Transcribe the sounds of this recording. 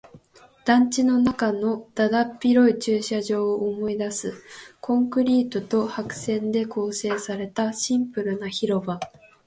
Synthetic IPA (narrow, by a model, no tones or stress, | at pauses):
d̪̥ãɲ̟t͡ɕino̞nakano̞d̪̥ad̪apʲːiɾo̞it͡ɕɨːɕaʑo̞ːʔːmo̞id̪asɨkʰõ̞ŋkɯ̟ɾʲiːt̪ot̪o̞hakɯ̟̥sẽ̞nd̪e̞ko̞ːse̞ːsaɾe̞t̪aɕĩmpɯ̟ɾɯ̟naçiɾo̞ba